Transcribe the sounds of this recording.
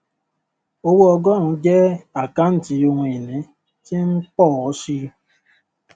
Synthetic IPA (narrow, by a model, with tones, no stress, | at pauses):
o˧wo˦ɔ˧ɡɔ˦ɾ̃ũ˨˦d͡ʒɛ˦a˨ka˦n̩˦ti˧o˧ɦũ˧e˨nɛ̃˨˦ | ti˦ŋ̩˦k͡pɔ˦˨ɔ˨˦ʃi˧˦